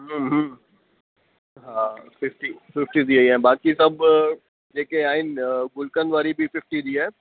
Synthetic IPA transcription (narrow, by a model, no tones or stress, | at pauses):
ɦəmɦm | ɦãːfɪfʈifɪfʈid̪iɐiɦɛ̃ːbaːkisɐb | d͡ʒeːkeaːɦɪnɡʊlkə̃nd̪ʋaːɾibʱifɪfʈid̪iɦɛ̃ː